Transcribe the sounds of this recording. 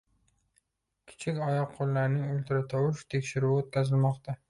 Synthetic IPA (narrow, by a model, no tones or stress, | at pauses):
kʲʰɪ̥t͡ʃʰɪkʲɒjɒqʰːolːaɾnɪŋolt̪ʰɪɾat̪ʰɒwɪʃt̪ʰe̞kʲʃɪɾuot̪̚kʲʰazɪlmɒqt̪ʰa